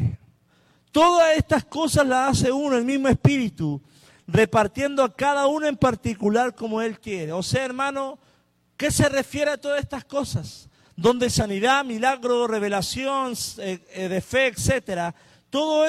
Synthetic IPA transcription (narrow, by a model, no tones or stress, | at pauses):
t̪o̞ðase̞st̪asko̞sazlasase̞unoelmizmoespiɾit̪u | re̞paɾt̪je̞nd̪oakaðaunoempaɾt̪ikulaɾko̞mo̞e̞lk̪je̞ɾeo̞seae̞ɾmãno̞ | ke̞se̞re̞fje̞ɾeat̪o̞ðasest̪asko̞sas | d̪o̞nd̪e̞saniðamilaɣɾore̞β̞e̞lasjo̞n | ðefe̞ːkse̞t̪eɾa | t̪o̞ðo